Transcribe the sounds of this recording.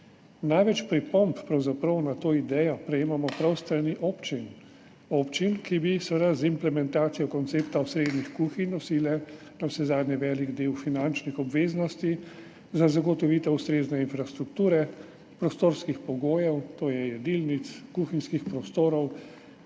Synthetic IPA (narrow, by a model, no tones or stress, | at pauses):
najʋɛt͡ʃpɾipɔmppːɾawzapɾɐwnat̪oːid̪ɛːjɔpɾɛjeːmamɔpɾawst̪ɾaniʔoːpt͡ʃin | oːpt͡ʃinkibisʋɛd̪azimplɛmɛnt̪aːt̪sijɔkɔnt̪seːpt̪awsɾeːd̪nixkuːxinɔsilɛ | nawsɛzaːd̪nɛʋɛːliɡd̪eːwfinant͡ʃnixɔbʋeːznɔst̪i | zazaɡɔt̪ɔʋiːt̪ɛust̪ɾeːznɛinfɾast̪ɾukt̪uːɾɛ | pɾɔst̪oːɾskixpɔɡoːjɛwt̪oːjɛjɛd̪ilnit̪skuxinskixpɾɔst̪oːɾɔw